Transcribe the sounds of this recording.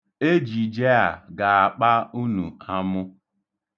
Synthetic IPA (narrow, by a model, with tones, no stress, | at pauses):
e˦d͡ʒi˨d͡ʒe˦a˨ɡa˨a˨k͡pa˦u˦nu˨a˦mʊ˦